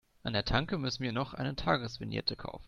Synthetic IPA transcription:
ʔʔandeːɐtʰaŋkəmʏsn̩miːɐnɔχʔa̰ɪnətʰaːɡəsv̥ɪnjɛ̰tʰəkʰa̰ʊfn̩

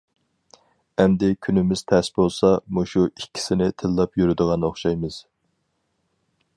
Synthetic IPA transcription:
ɛmd̪ɪkʲʰynɪmɪz̥t̪ʰɛsbolˠsɑmuʃuikʲʰːi̥sɪnɪt̪ʰɪlːɑpjyɾyd̪əʁɑnoχʃɑjmɨz̥

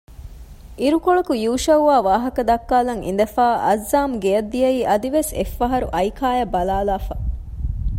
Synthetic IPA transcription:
iɾukoɭɐkujuːʃɐuʋaːʋaːɦɐkɐd̪ɐkːaːlɐŋʔḭn̆d̪ɐfaːʔɐzːaːmɡejɐd̪ːijɐiːʔɐd̪iʋesḛfːɐɦɐɾṵʔɐjkʰaːjɐbɐlaːlaːfɐ

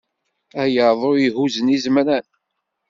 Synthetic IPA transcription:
æjəɾðˤojihuzənizmɾæn

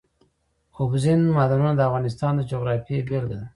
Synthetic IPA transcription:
xobzinmad̪anunad̪əafɣɑnɪs̬t̪ɑnd̪əd͡ʒoɡɾɑfibelɡad̪a

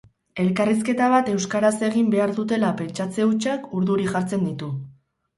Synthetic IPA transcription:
e̞lkaris̬ke̞t̪aβ̞at̪e̞wskaɾase̞ɣimbe̞aɾðut̪e̞lape̞nt͡ʃat͡se̞ut͡ʃakuɾðuɾiʝaɾt͡se̞nd̪it̪u

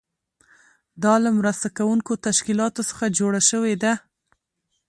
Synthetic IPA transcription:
d̪ɑlamɾast̪akawuŋkot̪aʃkilɑt̪osə̥xad͡ʒoɽaʃəwed̪a

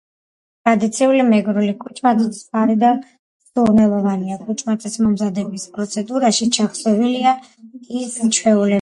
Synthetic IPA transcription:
t̪ʼɾad̪it̪sʰiulimɛɡɾulikʼut͡ʃʼʰmait̪spaɾid̪a | sunɛlˠɔvaniakʼut͡ʃʼmat̪ʼismɔmzad̪ɛbispʼɾɔt̪sʰɛd̪uɾaʃit͡ʃʰaχsɔvilia | ist͡ʃʰwɛulɛ

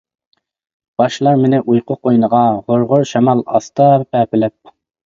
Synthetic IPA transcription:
b̥ɑʃlˠɑɾmɪnɪʔujqʰʊqʰojnəʁɑʁoɾʁʊɾʃɛmɑlˠɑ̰st̪ɑpɛpɪlɪp̚

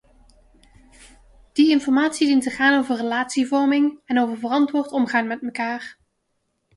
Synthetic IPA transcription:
d̥iɪnfɔɹmaːtsidintəχaːnowvərrəlaːtsivɔɹmɪŋɛnowvəɹvərɑntʋʊːɹtɔmχaːnmɛtməkaːr

